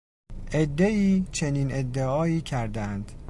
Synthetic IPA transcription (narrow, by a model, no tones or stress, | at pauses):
ʔed̪ːe̞iːt͡ʃʰe̞niːne̞d̪ːeɒːiːcʰæɾd̪æænd̪̥